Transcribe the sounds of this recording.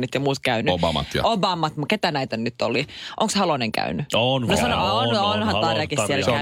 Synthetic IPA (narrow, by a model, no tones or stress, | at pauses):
nyt̪jɑmuːt̪kæynyobɑmɑ̰t̪jɑ̰obɑːmɑt̪muket̪ænæit̪ænyt̪ːoliʔo̰ŋkshɑloneŋkæ̰ynyonnosɑnoononhɑnɑːɾɑkisssielæ